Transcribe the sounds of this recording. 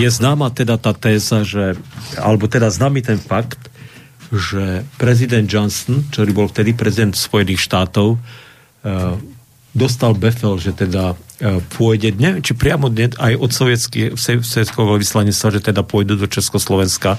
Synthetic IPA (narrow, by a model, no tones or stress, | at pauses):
jɛznaːmat̪ɛd̪at̪aːt̪ɛːzaʒɛa̰lɛbɔt̪ɛd̪aznaːmiːt̪ɛnfakt̪ | ʒɛpɾɛzid̪ɛnd̪̚d͡ʒɔnsɔnkt͡ʃɔɾibɔlft̪ɛd̪ipɾɛzid̪ɛnt̪spɔjɛniːxʃt̪aːt̪ɔʊ | d̪ɔs̬t̪albɛfɛlʒɛt̪ɛd̪apʰʊɔjɟɛɲɛʋjɛmt͡ʃipɾɪamɔd̪ɲɛajʔɔt̪sɔʋɛt͡sksɛsɔjɛt͡skɛɔʋislaɲist̪ʋaʒɛt̪ɛd̪apʊɔjd̪ud̪ɔt͡ʃɛskɔslɔʋɛnska